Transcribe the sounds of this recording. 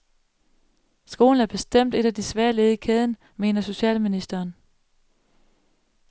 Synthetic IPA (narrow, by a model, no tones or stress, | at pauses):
sɡ̥o̝̰ːln̩æɐb̥e̝sd̥em̰d̥e̝ɾ̥æd̥isʋæɐle̝ːð̞̩ˠikʰɛːð̞ˠn̩ | me̝ːnɐso̝ɕɛ̰ːlminisd̥ɐːn